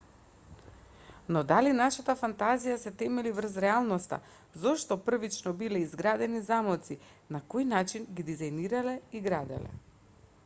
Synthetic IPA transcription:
nɔd̪alinaʃat̪afant̪azijasɛt̪ɛmɛlivr̩zɾɛalˠnɔst̪a̰ | zɔʃt̪ɔpr̩vit͡ʃnɔbilɛizɡɾad̪ɛnizamɔt̪si | nakojnat͡ʃinɡid̪izajniɾalɛiɡɾad̪ɛ̰lɛ̰

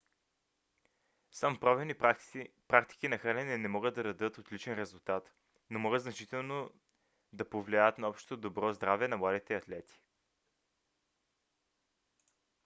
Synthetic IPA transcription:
sampɾɔvɛni | pɾak̚t̪i̥kinɐxɾalʲɛnɛnɛmɔɡəd̪̚d̪ɐɾɐd̪ɤt̪ot̪lit͡ʃɛnɾɛzulˠt̪at̪ | nomɔɡət̪znɐt͡ʃit̪ɛlˠno | d̪ɐpovlʲiajət̪nɐɔpʃt̪o̥t̪od̪obɾɔzd̪ɾavɛnɐmlˠad̪it̪ɛɐt̪lɛt̪i̥

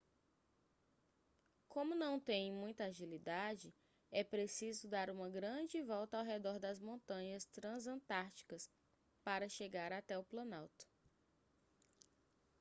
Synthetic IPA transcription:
kõmʊnɐ̃w̃t̪ẽj̃mũj̃t̪ɐaʒilid̪ad͡ʒɪ | ɛpɾesizʊd̪aɾũmɐɡɾɐ̃d͡ʒɪvɔwt̪ɐawɦɛd̪ɔɾd̪ɐzmõnt̪ɐ̃ɲɐst̪ɾɐ̃zɐ̃t̪aɾt͡ʃi̥kɐs | paɾɐʃeɡaɾat̪ɛʊplɐ̃nawt̪ɐ̥

